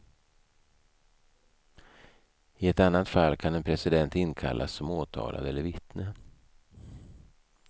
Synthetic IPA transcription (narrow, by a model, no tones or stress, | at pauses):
ɪɛt̪anːat̪falːkʰanɛnpʰɾɛsɪd̪ɛnt̪ɪnkʰa̰lʔa̰sːɔmoːt̪ʰɑ̰ːlʔa̰d̪ɛlːəɾvɪt̪nə